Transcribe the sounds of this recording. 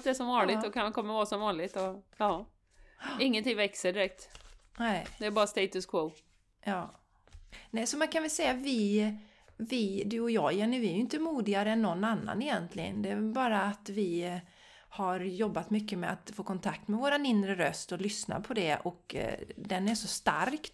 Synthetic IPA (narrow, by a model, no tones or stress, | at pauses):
d̪ɛæʂɔmvɑːnllɪɡ̪ɔkʰankʰɔmːəɾvɑːɾasɔmvɑːnlɪɡt̪ɔɑː | ɪŋːənt̪ɪŋvɛksəɖɪɾɛk̚t̪nɛɪd̪ɛːɾbɑːɾast̪ɛɪt̪ɵskʰvo | jɑː | nɛsɔmankʰanvɛlsɛjːavɪ | vɪd̪ʉɔjɑːjɛnːəvɪæɾjʏʏnt̪əmuːd̪ɪɡaɾəɛnːɔnːanːa̰nɛjɛnt̪lɪɡə̰nd̪ɛæbɑːɾaːt̪vɪ | haɾjɔbːat̪mʏkːəmɛa̰t̪foːkʰɔnt̪ʰak̚t̪mɛvoːɾanɪnd̪ɾəɾœst̪ɔlʏsna̰pʰɔd̪ɛʔɔkd̪ɛnæʂɔst̪a̰ɾk